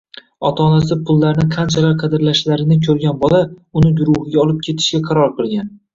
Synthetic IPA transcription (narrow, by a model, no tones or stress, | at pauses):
ɒt̪ʰaːnasɪpʰʊlˠːaɾnɪqʰɑnt͡ʃʰalaɾqʰɑd̪ɪɾlaʃlaɾɪnɪkʲʰɵɾɡʲanbɒlaʊnɪɡʊɾʊhɪɡʲaɒlˠɪp̚kʲʰe̞t̪ʰɪ̥ʃkʲaqʰɑɾɒɾqɨlˠɡʲan